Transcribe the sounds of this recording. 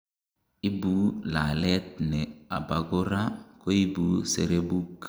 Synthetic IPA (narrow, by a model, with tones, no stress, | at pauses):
i˦bu˦la˨lɛ˦t̪̚nɛ˨a̰˨ba˨ɡo˦ɾa˦ko˦i˦bu˦sḛ˨ɾe˦bu˦k